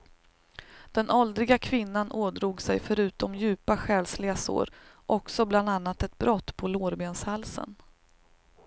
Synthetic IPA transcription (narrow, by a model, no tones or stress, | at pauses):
d̪̥ɛnʔɔld̪ɾɪɡakʰvɪnːanʔoːd̪ɾuːɡsɛjfœɾʉ̟ːt̪ɔmjʉ̟ːpaɧɛːlslɪɡaso̰ːɾʔɔksɔbland̪anːat̪ɛt̪̚bɾɔt̪ːpʰɔloːɾbeːnshalsə̰n